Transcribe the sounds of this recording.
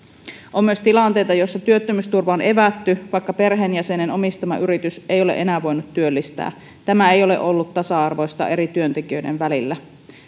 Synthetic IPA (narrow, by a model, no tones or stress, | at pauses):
ʔo̞mːyøst̪ilɑnt̪e̞jt̪ɑjo̞sːɑt̪yøt̪ːømyst̪urʋɑonʔe̞ʋæt̪ːyʋɑjkːɑpe̞rɦenjæse̞neno̞mist̪ɑmɑ̰ʔyɾit̪ysejo̞lḛʔenæːʋo̞jnut̪ːyølːist̪æ̰ː | t̪æmæejo̞le̞̰ʔo̞lːut̪ːɑsɑɑrʋo̞jst̪ɑ̰ʔe̞ɾit̪yø̞nt̪ekiø̞jdenʋælilːæ